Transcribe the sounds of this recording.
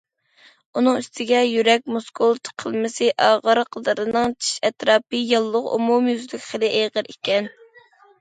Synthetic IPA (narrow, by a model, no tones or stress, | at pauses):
unɨŋyst̪ʰɪɡʲɛjyɾɛk̚ʲmuskʰolˠt̪ʰqʰəlˠmɪsɨʔɑːʁəɾqʰəd̪ɨɾɨnɨŋt͡ʃʰi̥ʃɛt̪ɾɑːpɨjɑlˠːʊqṵmumjyzlykʲχəlˠɨʔeʁəɾʔikʲɛn